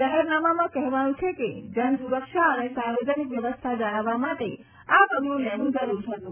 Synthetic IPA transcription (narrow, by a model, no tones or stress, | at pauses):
d͡ʒaɦɛɾnamamãkɛɦʋanũt͡ʃʰeked͡ʒənsuɾəkʃaənesaɾʋed͡ʒənikʋjəʋəst̪ʰad͡ʒaɽ̃aʋːamaʈe | apəɡlũlɛnũd͡ʒəɾuɾt͡ʃʰət̪ũ